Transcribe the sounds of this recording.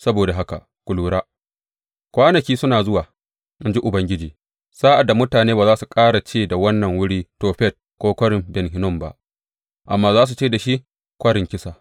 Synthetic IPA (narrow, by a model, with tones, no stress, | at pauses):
sɐ˦boː˨da˨ɦa˦ka̰˨ʔ | kʷʊ˨luː˨ɽaː˦ | kʷaː˦nɐ˨kʲiː˦sʊ˦naː˨zʊ˦waː˨ | ʔa˦nd͡ʒi˦ʔʊ˨bɐ˦ŋɡʲɪ˦d͡ʒiː˨ | saː˦ʔa˨da˨mʊ˦taː˨neː˦baː˨zaː˦su˨kʼaː˦ɽa˨t͡ʃeː˦da˨wɐ˦nːɐ˨ŋwʊ˦ɽiː˦toː˨ɸɛ˦˨t̚ | kʷoː˦kʷɐ˦ɽɪ˨mbɛ˨nɦɪ˦nʊ˦mba̰˦ʔ | ʔa̰˨mːaː˦zaː˦s̬u˨t͡ʃeː˦da˨ʃi˦ʔ | kʷɐ˦ɽɪ˨ŋkʲɪ˦saː˨